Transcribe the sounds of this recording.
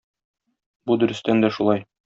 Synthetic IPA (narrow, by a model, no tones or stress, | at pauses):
bud̪ɵ̆ɾɵ̆st̪ænd̪æʃulˠɑj